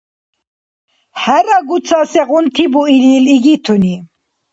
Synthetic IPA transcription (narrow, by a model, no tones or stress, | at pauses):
hɛɾaɡut͡sʰasɛɣunt̪ʰibuililiɡit̪ʰuni